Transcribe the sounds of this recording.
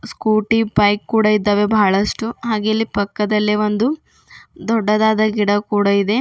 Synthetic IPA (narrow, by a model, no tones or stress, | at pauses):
skuːʈipɐjkːuːɽɐid̪ːɐʋebʱɐːɭɐʂʈuɦaːɡeːlipɐkːɐd̪ɐlːiʋond̪u | d̪ɔɖːɐd̪aːd̪ɐɡiɽɐkuːɽɐid̪e̞